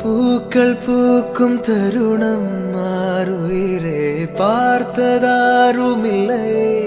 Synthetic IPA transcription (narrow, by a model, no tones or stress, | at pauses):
puːkːɐɭpuːkːɯmt̪ɐɾɯɳɐmːaːɾujɾepaːɾt̪ɐðaːɾɯmɪlːɐj